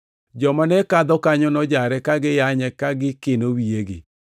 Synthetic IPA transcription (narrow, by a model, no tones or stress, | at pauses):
d͡ʒɔmanɛkaðɔkaɲɔnɔd͡ʒaɾɛkaɡejaɲɛkaɡekenowieɣḛ